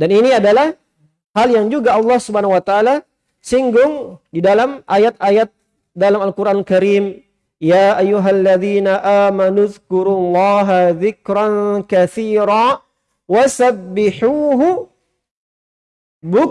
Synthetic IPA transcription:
daniniadalah | haljaŋd͡ʒuɡaɑlˠːɑhsubaanaŋwat̪aːla | siŋɡʊŋdidalamʔajat̪ajat̪̚ | dalamalkuɾʔanlkaɾiːm | jaːʔajːuɦalːaðiːnaʔaːmanuðkʊɾulːɑːɦaðɪkɾankaθiːɾa | wasabːɪħuːɦʊ | bu

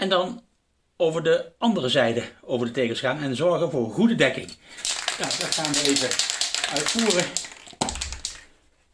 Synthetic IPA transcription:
ɛndɑn | owvəɹdəɑndərəzɛjdəowvəɹdətejkəsχaːnɛnzɔɹɣənvʊːɹχudədɛkɪŋjadɑtχaːnʋəejvəœɥtfuːrə

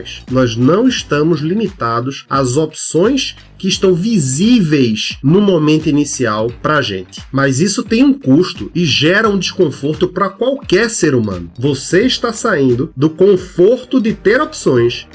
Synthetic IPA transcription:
jsnɔznɐ̃w̃ɪʃt̪ɐ̃mʊzlimit̪ad̪ʊsɐzopsõj̃s | kɪɪʃt̪ɐ̃w̃vizivejznʊmomẽnt̪ʊinisiawpɾɐːʒḛ̃nt̪ɪ̥mazisʊt̪ẽj̃ũkuʃt̪ʊɪʒɛɾɐũd̪ɪʃkõfoɾt̪ʊpɾɐkwawkɛɾseɾumɐ̰̃nʊvoseɪʃt̪asaĩnd̪ʊd̪ʊkõfoɾt̪ʊd̪ɪt̪eɾopsõj̃s

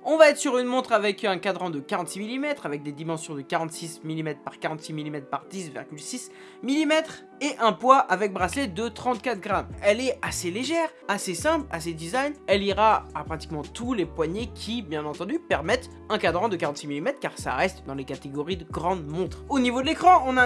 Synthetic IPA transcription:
ɔ̃vaɛt̪χsyʁynmɔ̃t̪χavɛkɛ̃kad̪ʁɑ̃d̪əkaʁɑ̃t̪similimɛt̪χavɛk̚d̪ed̪imɑ̃sjɔ̃d̪əkaʁɑ̃t̪sismilimɛt̪χpaʁkaʁɑ̃t̪similimɛt̪χpaʁd̪isvḭʁɡʲylsis | milimɛt̪χ | eʔɛ̃pwaʔavɛk̚bʁasled̪ət̪χɑ̃t̪̚kat̪χɡʁamɛlɛaseleʒɛʁ | asesɛ̃pla̰sed̪izajnɛliʁaapχat̪i̥kmɑ̃t̪ulepwaɲekʲʰibjɛ̃nɑ̃t̪ɑ̃d̪ypɛʁmɛt̪ | ɛ̃kad̪ʁɑ̃d̪əkaʁɑ̃t̪similimɛt̪χkaʁsa̰ʁɛst̪d̪ɑ̃lekat̪eɡɔʁid̪əɡʁɑ̃d̪mɔ̃t̪χonivod̪əlekχɑ̃ɔ̃na

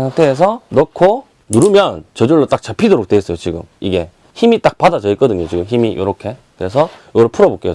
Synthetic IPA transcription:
aŋtʰeɦːs̬ʰʌnokʰo | nuɾɯmjʌnt͡ɕʌd͡ʑoɭːot͈ak̚t͡ɕapʰidoɾok̚t͈eːs͈ʌjot͡ɕiɡɯ̰miɡe̞ | çimit͈ak̚padat͡ɕʌik͈ʌdɯɲot͡ɕiɡɯmçimijʔo̰ɾʌkʰe̞kɯɾe̞s̬ʰʌjʌɡʌɾɭpʰuɾʌbok͈e

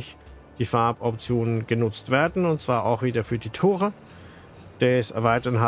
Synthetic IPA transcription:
ɪç | d̥iːfaɐpɔpt͡sjoːnənɡ̥ənʊt͡stv̥eːɐdn̩ʊntt͡sv̥aːɐʔa̰ʊxv̥iːdɐfyːɐdiːtʰoːʁə | d̥ɛsɛ̰ɐvaɪtɐnɦa

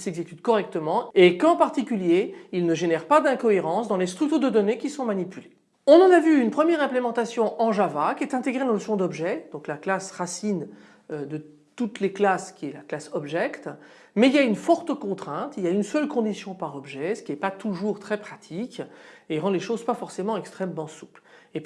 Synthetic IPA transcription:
sɛɡzekʲyt̪kɔʁɛk̚t̪əmɑ̃ekɑ̃paʁt̪ikʲyljeilnəʒenɛʁpad̪ɛ̃kɔeʁɑ̃sd̪ɑ̃lest̪χykt̪od̪əd̪ɔnekʲisɔ̃manipyle | ɔ̃nɑ̃navyynpχəmjɛʁɛ̃plemɑ̃t̪asjɔ̃ʔɑ̃ʒavakʲɛt̪ɛ̃t̪eɡʁed̪ɑ̃ləsɔ̃d̪ɔbʒɛd̪̥ɔ̃klaklasʁasin | ød̪ə | t̪ut̪leklaskʲiɛlaklasɔbʒɛkt̪ | mɛiljaynfɔʁt̪əkɔ̃t̪χɛ̃t̪iljaynsœlkɔ̃d̪isjɔ̃paʁɔbʒɛsə̥kʲiɛpat̪uʒuʁt̪χɛpχat̪ʰikeʁɑ̃leʃozpafɔʁsemɑ̃ɛkst̪χɛmːɑ̃su̥ple

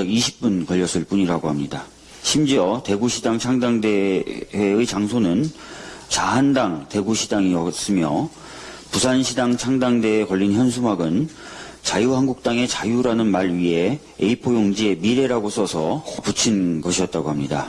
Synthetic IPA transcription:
aiɕʰi̥p̚p͈unkʌʎːʌs͈ʰɯɭp͈uɲiɾaɡoɦamɲida | ɕʰimd͡ʑiʌte̞ɡuɕʰidaŋt͡ɕʰaŋdaŋde̞weɯt͡ɕaŋsʰonɯn | t͡ɕaɦandaŋte̞ɡuɕʰidaŋiʌs͈ɯmjʌ̰ | pusʰanɕʰidaŋt͡ɕʰaŋdaŋde̞kʌʎːinçjʌns̬ʰumaɡɯnt͡ɕajuhanɡuk̚t͈aŋe̞t͡ɕajuɾanɯnmaɭɥiɦe̞ | ḛipʰojoŋd͡ʑie̞miɾe̞ɾaɡosʰʌsʰʌput͡ɕʰinɡʌɕʰiʌt̚t͈aɡoɦamɲida

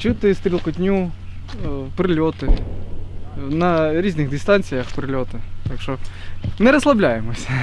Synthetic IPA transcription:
t͡ɕut̪ːəst̪ɾʲɪlˠkʊt̪ʲnʲu | pɾɨlʲot̪ɨ | nɐɾʲizʲnʲɨɣd̪ʲɪst̪anʲt̪sʲɨjɐxpɾɨlʲot̪ɨt̪akʂt̪onɛɾɐslˠɐblʲajɪmɐsʲtʲ

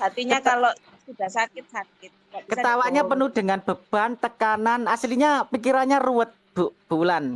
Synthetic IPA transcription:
ɦat̪iɲaalo | sud̥asakɪt̪̚sakɪt̪̚kət̪awaɲapənud̥ə̤ŋanb̥ə̤b̥ant̪əkananasliɲapikiɾaɲaruwət̪̚b̥ub̥ulan

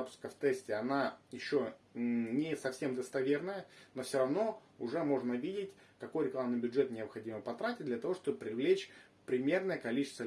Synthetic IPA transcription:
apʊ̥skəft̪ɛsʲtʲɪɐnajɪɕːonʲɪsɐfsʲe̞md̪əst̪ɐvʲe̞rnəjənofsʲoɾɐvn̪o̞ | ʊʐɛmo̞ʐnəvʲidʲɪtʲ | kɐko̞jɾʲɪklˠamnɨjbʲʊdʐɛt̪nʲɪəpxɐdʲiməpɐt̪ɾatʲɪt̚ʲd̪lʲɐt̪ɐvo̞ʂt̪o̞bəpɾʲɪvlʲet͡ɕ | pɾʲɪmʲe̞rnəjəkɐlʲit͡ɕɪst̪və

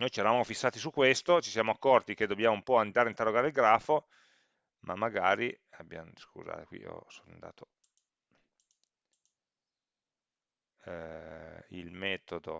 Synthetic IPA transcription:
nojt͡ʃɛɾavamofisːaːt̪isukːwest̪ot͡ʃisjaːmoakːɔrt̪iked̪objaːmoumpɔand̪aːɾeint̪erːoɡaːɾeilɡɾaːfo | mʔamːaɡaːɾi | abːja̰nskṵza̰ːt̪ekwḭo̰sona̰nd̪a̰ːt̪ʰo | ḭlmɛːt̪od̪o̰

